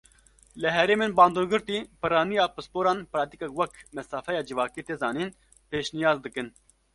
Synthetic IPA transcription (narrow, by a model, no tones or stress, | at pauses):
lɨɦɛɾeːmeːnbɑːnd̪oːɡɨɾt̪iːpɨɾɑːnijɑːpɨspoːɾɑːnpɨɾɑːt̪ikɛkwɛkmɛsɑːfɛjɑːd͡ʒɨvɑːkiːt̪eːzɑːniːn | peːʃnijɑːzd̪ɨkɨn